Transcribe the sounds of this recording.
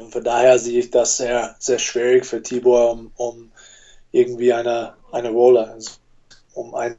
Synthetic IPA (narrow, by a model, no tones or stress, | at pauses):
ʊntfɔndaːheːɐzeːəɪçd̥asz̥eːɐz̥eːɐʃv̥iːʁɪçfyːɐtʰiːboɐʊmʊm | ʔɪɐɡŋ̩tv̥iːaɪnəʔaɪnəʁɔːləz | ʊma̰ɪn